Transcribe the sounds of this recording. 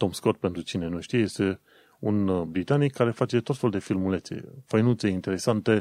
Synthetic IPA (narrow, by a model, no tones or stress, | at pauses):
t̪o̞mskot̪̚pe̞nt̪ɾut͡ʃine̞nuʃt̪ijje̞st̪e̞ | unbɾit̪anikʰːaɾe̞fat͡ʃe̞t̪o̞t̪fe̞lud̪efilmulet̪sḛfəjnut̪se̞int̪eɾe̞sant̪e̞